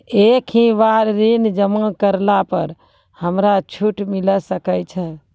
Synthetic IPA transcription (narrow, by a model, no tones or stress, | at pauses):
ekʰĩʋaɾːind͡ʒəmãkəɾlapəɾ | həmɾat͡ʃʰuʈmiləsəkət͡ʃʰɛ